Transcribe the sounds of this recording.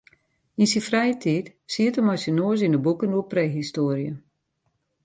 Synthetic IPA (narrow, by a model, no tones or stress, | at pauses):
insifrɛjətʰiːtsiətəmɔjsənoəz̬indəbukənuəpreːɦistoːɾjə